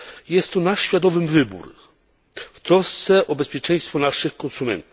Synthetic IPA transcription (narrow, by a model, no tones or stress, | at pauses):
jɛst̪ːɔnaʂɕfʲjad̪ɔvɘmvɘbṵɾ | ft̪ɾɔst̪sɛʔɔbɛspʲjɛt͡ʂɛ̃j̃st̪fɔnaʂɘxkɔnsumɛ̰nt̪uf